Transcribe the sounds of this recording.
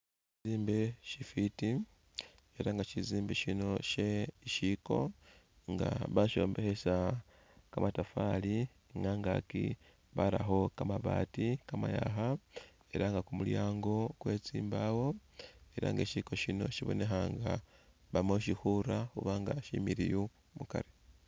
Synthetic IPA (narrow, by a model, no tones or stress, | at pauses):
izziːmbeʃifiti | e̞ɾaŋɡaʃiziːmbeʃino̞ʃeiʃiko̞̰ | ŋɡa̰βaʃo̞̰ːmbe̞xe̞sa | kamatafali | ŋɡaŋɡakḭ | βala̰xo̞kamaβaːtikamajaxa | e̞ɾaŋɡakumuljaːŋɡo̞kwe̞ːt͡siːmbawo̞e̞ɾa̰ŋɡeʃiko̞ʃino̞̰ʃiβo̰ne̞xaŋɡa | βamoʃixuɾaxuβaŋɡaʃimiɾiju | muka̰ɾe